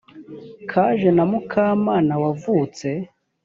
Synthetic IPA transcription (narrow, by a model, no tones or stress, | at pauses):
kʰaʒenamukʰaːmaːnawavuːt͡se̞